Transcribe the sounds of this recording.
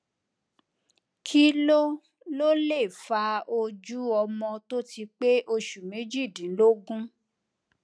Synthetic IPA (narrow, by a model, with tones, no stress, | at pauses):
kʰi˦lo˦ | lo˦le˦˨fa˧o˧d͡ʒu˦ɔ˧mɔ̃˧to˦ti˧k͡pe˦ʔo˧ʃu˨mẽ˨˦d͡ʒi˦˨dĩ˨˦lo˦ɡũ˦